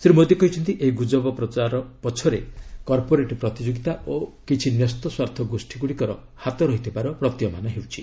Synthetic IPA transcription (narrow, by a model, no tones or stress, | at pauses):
sɾimod̪ekɔɦit͡ʃʰɔnt̪iʔeɦiɡud͡ʒɔbɔpɾɔt͡ʃaɾɔpɔt͡ʃʰɔɾekɔɾpoɾeʈɔpɾɔt̪id͡ʒoɡit̪aokit͡ʃʰinjɔst̪ɔswaɾt̪ʰɔɡosʈʰiɡuɽikɔɾɔ | hat̪ɔɾɔɦit̪ʰipaɾɔpɾɔt̪jɔma̰nɔɦewt͡ʃʰi